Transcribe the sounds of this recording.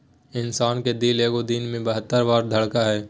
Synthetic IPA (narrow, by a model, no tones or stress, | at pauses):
ɪnsaːnked̪iːleːɡod̪inmẽbəɦət̪ːəɾʋaːɾd̪ʱɐɽkaɦɛː